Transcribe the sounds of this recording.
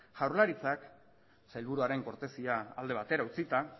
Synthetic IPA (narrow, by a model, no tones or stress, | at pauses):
ʝawɾlaɾit͡sak | sajlβuɾuaɾe̞ŋko̞ɾt̪e̞siaːld̪e̞β̞at̪e̞ɾaut͡sit̪a